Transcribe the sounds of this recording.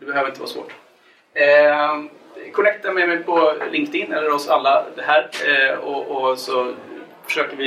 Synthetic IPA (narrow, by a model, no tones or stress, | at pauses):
d̪ɛbɛɦøːvɾɪnt̪əʋɑ̰ːʂvo̰ːʈː | kʰɔnɛk̚t̪amɛjmɛjpʰɔlɪŋkt̪ɪnːɛlːəɾɔsalːad̪ɛɦæːɾɔɔsɔfœ̥ʂøːkəɾvɪ